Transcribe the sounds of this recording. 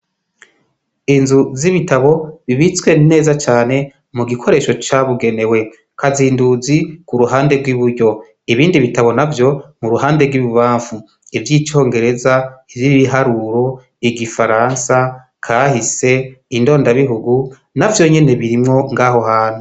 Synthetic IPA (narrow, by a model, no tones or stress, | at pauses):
inzuziβitaβo̞βiβit͡swe̞ne̞ːzat͡ʃaːne̞ | muɡikʰo̞ɾe̞ːʃo̞t͡ʃaβuɡe̞ne̞we̞ | kʰaziːnduzikuɾuɦaːnde̞ɡwiβuɾɟo̞ | iβiːndiβitaβo̞navjo̞muɾuhaːnde̞ɡwiβuβaːɱfu | ivjiːt͡ʃo̞ːŋɡe̞ɾe̞zaiviβiɦaɾuːɾo̞ | iɡifaɾansa | kʰahise̞indo̞ːndaβiɦuɡu | navjo̞ɲe̞ne̞βiɾimŋo̞ŋɡaːɦo̞haːn̥u